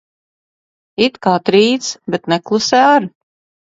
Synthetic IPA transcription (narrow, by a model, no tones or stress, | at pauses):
it̪kaːt̪ɾiːt̪sbɛt̪nɛklˠusɛaɾ